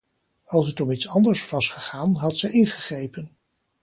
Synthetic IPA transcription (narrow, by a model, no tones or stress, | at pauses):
ɑlˠsətɔmitsɑndəɹsvɑsχəχaːnɦɑtsɛjɪnχəχrejpən